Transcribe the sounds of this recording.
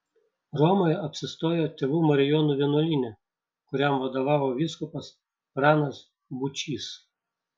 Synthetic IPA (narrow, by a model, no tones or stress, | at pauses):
ɾɔmɔɪɐpʲsʲɪst̪oːjoːt̪ʲeʋuːmɐɾʲɪjɔːnuːʋʲiɛnuɔlʲiːnʲɛ | kʊɾʲɛmʋɐd̪oːʋɑːʋoːʋʲiskʊpɐs | ɾɑːnɐs | bʊt͡ʃʲiːs